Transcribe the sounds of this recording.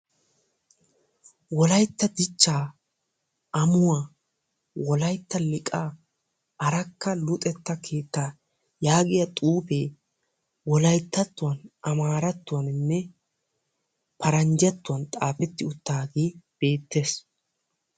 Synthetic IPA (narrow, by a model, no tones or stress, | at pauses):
wɔlɐjt̪ːɐd̪ɪt͡ʃːaː | ʔɐmʊwa | wɔlɐjt̪ːɐlɪkʼaː | ɐɾɐkːɐlʊt̪ʼɛt̪ːɐkʰe̞ːt̪ːaː | jaːɡɪjɐt̪ʼuːpeː | wɔlɐjt̪ːɐt̪ːʊwɐnʔɐmaːɾɐt̪ːʊwɐnɪnːɛ | pɐɾɐnd͡ʒɐt̪ːʊwɐnt̪ʼaːfɛt̪ːɪʊt̪ːaːɡeːb̥e̞ːt̪ːe̞ːs